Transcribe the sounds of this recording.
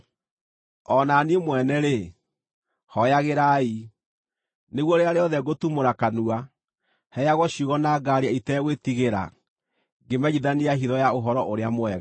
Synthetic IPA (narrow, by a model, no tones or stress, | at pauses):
ɔnaniemwɛnɛɾe | hɔjaɣeɾai | neɣwɔɾeaɾeɔðɛɡotumoɾakanua | hɛjaɣɔɕuɣɔnaːɡaɾeaitɛɣwetiɣeɾa̰ | ɡemɛɣiðaniaɦiðɔjaoɦɔɾɔʔoɾeamoɛɣa